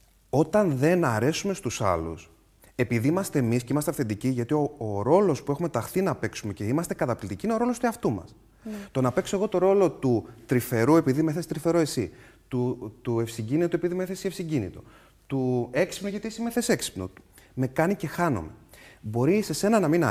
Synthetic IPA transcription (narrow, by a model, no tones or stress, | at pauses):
o̞t̪ɐnðe̞nɐɾe̞sume̞st̪usɐ̰lṵs | e̞piðiimɐst̪e̞ːmisceimɐst̪eɐfθend̪iciʝɐt̪io̞oɾo̞lo̞spue̞xume̞t̪ɐxθinɐpe̞ksume̞ce̞imɐst̪e̞kɐt̪ɐplit̪icineoɾo̞lost̪uɐft̪umɐ̰s | t̪o̞nɐpe̞ksoeɣo̞t̪o̞ɾo̞lo̞t̪ut̪ɾife̞ɾue̞piðimeθesi̥t̪ɾife̞ɾoe̞si | t̪ut̪ue̞fsiɲɟinit̪ue̞piðimeθesiefsiɟinḭt̪o | t̪ue̞ksi̥pnoʝɐt̪iesimeθese̞ksi̥pnṵme̞kɐnice̞xɐno̰mḛbo̞ɾise̞se̞nɐnɐminɐ